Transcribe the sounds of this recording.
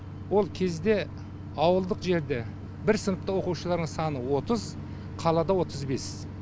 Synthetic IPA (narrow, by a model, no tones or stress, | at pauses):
wo̞lˠkʲʰe̞zd̪e̞ | ɑwəlˠd̪əqʒe̞ɾd̪e | bɪɾsənəp̚t̪ɑwo̞quʃəlˠɑɾd̪əŋsɑnəwo̞t̪əz | qʰɑlˠɑd̪ɑwo̞t̪əzbe̞s